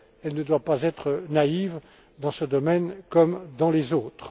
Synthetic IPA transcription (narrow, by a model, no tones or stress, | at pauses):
ɛlnəd̪wapazɛt̪χənaiv | d̪ɑ̃səd̪ɔmɛnkɔmd̪ɑ̃lezoːt̪χ